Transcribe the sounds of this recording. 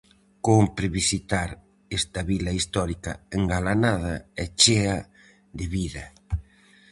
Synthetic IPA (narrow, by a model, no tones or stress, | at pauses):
kompɾeβisit̪aɾ | est̪ɐβilɐist̪ɔɾikɐ̰eŋɡalanað̞ɐɛt͡ʃeɐ | ðɪβiðɐ